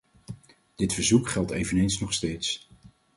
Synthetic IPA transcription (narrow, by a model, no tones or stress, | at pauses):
d̥ɪtfəɹzukχɛlˠtejvənejnsnɔχsteːjts